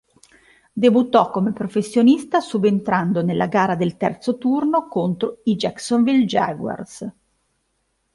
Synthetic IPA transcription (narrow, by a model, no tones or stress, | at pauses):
d̪ebut̪ːɔkːomepɾofesːjonist̪asubent̪ɾand̪onelːʔaɡaːɾad̪elt̪ɛ̰rt̪sot̪urnokont̪ɾoid͡ʒɛksonvild͡ʒaɡwa̰rs